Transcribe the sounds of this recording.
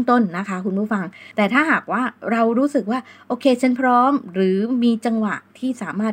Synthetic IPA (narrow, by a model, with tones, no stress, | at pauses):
ŋt̪o˥˩nːa˦˥kʰa˦˥kʰu˧npʰuː˥˩fa˧ŋt̪ɛː˨˩t̪ʰaː˥˩ɦaː˨˩k̚waː˥˩ɾa˧wɾuː˦˥sɯ˨˩k̚waː˥˩ʔoː˧kʰeː˧t͡ɕʰa˦˥npʰɾɔː˦˥mɾɯː˩˦miː˧t͡ɕa˧ŋwa˨˩t̪ʰiː˥˩saː˩˦maː˥˩t̪̚